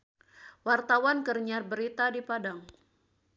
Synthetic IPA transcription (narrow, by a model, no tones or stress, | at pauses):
wart̪awankərɲarbəɾit̪adipadaŋ